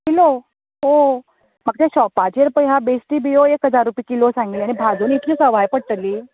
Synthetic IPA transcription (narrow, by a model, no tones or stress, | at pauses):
kilo | ɦo | maɡ̚t̪ẽɕɔpad͡ʑəɾpəjɦabesʈiːbijoekɦəd͡zaɾːupikilosãŋɡilianibʱad͡zunit̪ʰiːsəʋ̤ajpəɽʈ̪əliː